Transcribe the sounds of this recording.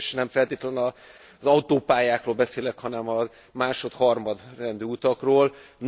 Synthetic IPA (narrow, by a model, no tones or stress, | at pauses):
ʃnɛɱfɛlt̪eːt̪lɛnɒ | zɒut̪oːpaːjaːkroːlbɛseːlɛkhɒnɛmɒ | maːʃo̞t̪hɒrmɒd̪rɛnd̪yːut̪ɒkroːln